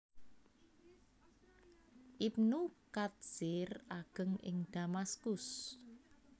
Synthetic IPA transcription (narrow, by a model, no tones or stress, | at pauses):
ʔip̚nukat̪̚sɪraɡ̥ə̤ŋʔɪ̰ŋd̪̥amaskʊs